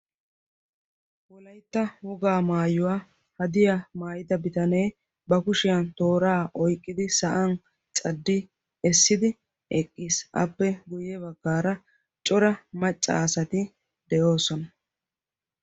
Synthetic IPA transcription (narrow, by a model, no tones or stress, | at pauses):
wɔlɐjt̪ːɐwɔɡaːmaːjʊwaː | hɐd̪ɪjamaːjɪd̪ɐbɪt̪ɐne̞j | bɐkʊʃɪjɐnt̪o̞ːɾaːʔɔjkʼːɪd̪ɪsɐʔɐn | t͡ʃʼɐd̪ːɪ | ɛsːɪd̪ɪ | ɛkʼːiːsʔɐ̰pːɛɡʊjɛbɐɡːaːɾɐ | t͡ʃʼɔɾɐmɐt͡ʃʼːɐ̰ːsɐt̪ɪ | d̪̥ɛjo̞ːsɔnɐ